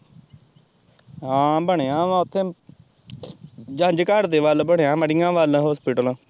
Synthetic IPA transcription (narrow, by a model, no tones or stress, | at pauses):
ɦãːbəɳjãːʊt̪ʰːẽː | d͡ʒə̃d͡ʒkəɾd̪eːʋəlbəɳejãːməɽɪjãːʋəlɦoːspɪʈəl